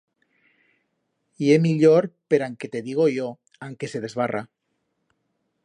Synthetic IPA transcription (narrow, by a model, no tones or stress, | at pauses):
iemiʎoɾpeɾaŋket̪eðiɣ̞ojo | aŋkeseð̞ezβara